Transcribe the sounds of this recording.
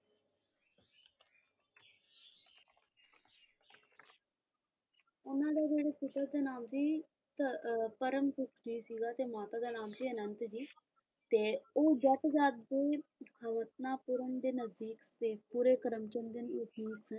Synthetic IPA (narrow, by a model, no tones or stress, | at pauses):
ʊnãd̪ad͡ʒeːɽeput̪əd̪anaːmt͡ʃiː | t̪ɐpɐɾəmsukʰd͡ʒiːsiːɡat̪emaːt̪ad̪anaːmt͡ʃiɐnənt̪d͡ʒiː | t̪eod͡ʒɐʈ̪d͡ʒaːt̪̚b̪eːhɐʋət̪̚naːpʊɾəɳd̪enɐzd̪iːkseːpuɾekɐɾəmt͡ʃənd̪ənutʰniːk̪sən